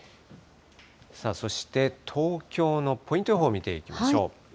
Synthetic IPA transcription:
saːso̞ɕi̥t̪e̞t̪ʰo̞ːkʲo̞ːno̞pʰo̞ĩnt̪oɦoːmʲit̪e̞ikʲimaɕo̞̰ː

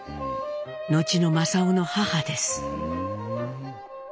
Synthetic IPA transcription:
no̞t͡ɕino̞masaono̞hahad̪e̞sɨ̥

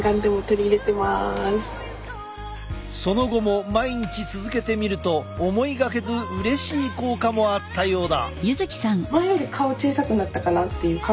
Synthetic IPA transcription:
ɡãnd̪e̞mo̞t̪o̞ɾʲiːɾe̞t̪e̞masɨ̥ | so̞no̞ɡo̞mo̞maiɲ̟it͡ɕit͡sɨzɨke̞t̪e̞mʲiɾɯ̟t̪o̞ːmo̞iɡake̞zɨɯ̟ɾe̞ɕiːko̞ːkamo̞at̪ːajo̞ːd̪a̰jɯzɨkʲi̥sãŋmajoɾʲikʰao̞t͡ɕiːsakɯ̟nːat̪ːakanat̪ːe̞jɯ̟ːka

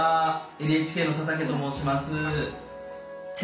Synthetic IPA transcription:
ae̞nɯ̟e̞t͡ɕi̥kʲe̞ːno̞sat̪ak̬e̞t̪omo̞ːɕimasɨ | s

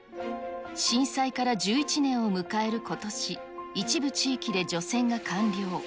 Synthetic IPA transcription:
ɕĩɰ̃saikaɾad͡ʑɨːit͡ɕinẽ̞ɰ̃o̞mɯ̟kae̞ɾɯ̟ko̞t̪o̞ɕi | it͡ɕibɯ̟t͡ɕiːkʲid̪e̞d͡ʑo̞sẽ̞ŋɡakʰãnɾʲo̞ː

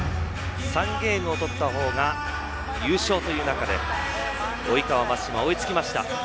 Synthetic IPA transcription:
sãŋɡe̞ːmɯ̟ot̪o̞t̪ːaɦo̞ːɡa | jɯ̟ːɕo̞ːt̪o̞jɯ̟ːnakad̪e̞̰ | o̞ikaβamḁɕimaoit͡sɨ̥kʲimaɕi̥t̪a̰

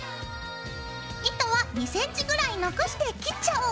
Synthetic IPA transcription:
it̪oβaɲ̟isẽ̞ɲ̟t͡ɕiɡɯ̟ɾaino̞ko̞ɕi̥t̪e̞kʲit͡ɕːao

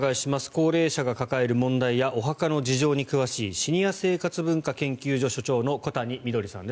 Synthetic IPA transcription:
ɡaiɕimasɨ̥ko̞ːɾe̞ːɕaɡakakae̞ɾɯ̟mõ̞nd̪aijaʔo̞ɦakano̞d͡ʑiʑo̞ːɲ̟ikɯ̟βaɕiːɕiɲ̟ijase̞ːkat͡sɨbɯ̟̃ŋkakẽ̞ŋkʲɨːʑo̞ɕo̞t͡ɕo̞ːno̞ko̞t̪aɲ̟imʲid̪o̞ɾʲisã̰nd̪e

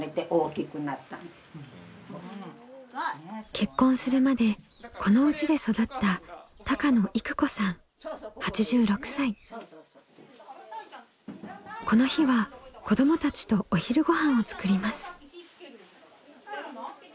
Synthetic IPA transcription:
ɾet̪eʔoːkʲikɯ̟nat̪ːã̰nd̪e | kʰe̞kːõɰ̃sɨɾɯ̟mad̪e̞ | kʰo̞no̞ɯ̟t͡ɕid̪e̞so̞d̪at̪ːat̪akano̞ʔikɯ̟̥ko̞sãɴ̃ | hat͡ɕiʑɨːɾo̞kɯ̟̥sai | ko̞no̞çiβako̞d̪o̞mo̞t̪at͡ɕi̥t̪o̞oçiɾɯ̟ɡo̞ɦãɰ̃o̞t͡sɨ̥kɯ̟ɾʲimasɨ̥

